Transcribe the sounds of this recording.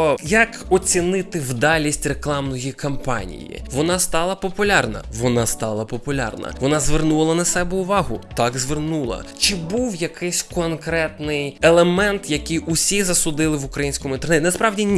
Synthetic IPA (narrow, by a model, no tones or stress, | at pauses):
jɐk | ɔt͡sʲinɪt̪ɪwd̪ɑlʲisʲtʲreklˠɑmnɔjikɐmpɑ̰nʲḭjḭʋɔnɑst̪ɑlˠɐpɔpʊlʲɑrnɐ̰ʋɔnɑst̪ɑlˠɐpɔpʊlʲɑ̰rnɐ̰ʋɔnɑzʋernulˠɐnɐsɛbɛʊʋɑɦʊt̪ɑɡzʋernulˠɐ̰t͡ʃɪbuwjɐkɪsʲkɔnkɾɛt̪nɪjelˠemɛnt̪jɐkɪjʊsʲizɐsʊd̪ɪlˠɪʋʊkɾɐjinʲsʲkɔmʊint̪ernɛt̪ʲnɐspɾɑwdʲinʲ